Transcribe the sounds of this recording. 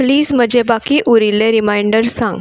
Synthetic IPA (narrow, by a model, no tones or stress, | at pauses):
pliːzm̤əd͡ʑebakiːʔuɾileɾimajɳɖəɾsã̰ŋɡ